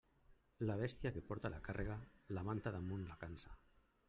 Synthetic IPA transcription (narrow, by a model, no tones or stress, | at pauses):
laβ̞est̪jakepɔɾt̪alʔakarʔeɣ̞alamant̪aðamunlakansḁ